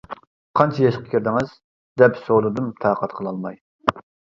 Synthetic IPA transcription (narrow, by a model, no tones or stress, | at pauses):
qʰɑnt͡ʃʰɑjɑʃqʰə̥kʲʰiɾd̪ɪŋɨz̥ | d̪ɛpsolˠɨd̪ɨmt̪ʰɑːqɑt̪qʰəlˠɑlˠmɑj